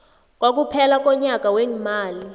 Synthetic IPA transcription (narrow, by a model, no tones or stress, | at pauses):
k̬ʼwak̬upʰɛlak̬ʼɔɲak̬ʼaweŋimaːli